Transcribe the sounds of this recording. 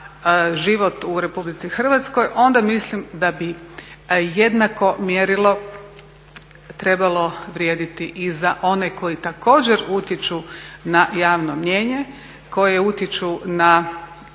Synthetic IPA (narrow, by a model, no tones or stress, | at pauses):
ʒiʋo̞t̪uɾe̞publit̪sixr̩ʋat̪sko̞jʔo̞nd̪amislimd̪abi | je̞d̪nako̞mjeɾilˠo̞ | t̪ɾe̞balˠo̞ʋɾjeːd̪it̪iʔizaʔo̞ne̞ko̞jit̪ako̞ːd͡ʑeɾut̪jet͡ʃunajaːʋno̞mɲe̞ːɲe̞ | ko̞jeut̪jet͡ʃuna